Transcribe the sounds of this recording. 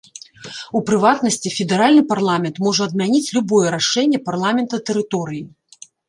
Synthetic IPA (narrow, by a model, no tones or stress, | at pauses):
upɾɨvat̪nɐsʲt͡sʲifʲɛd̪ɛɾalʲnɨparlˠamʲɛnt̪mɔʐɐɐd̪mʲanʲit͡sʲlʲubɔjɛɾaʂɛnʲːɛparlˠamʲɛnt̪ɐt̪ɛɾɨt̪ɔɾɨji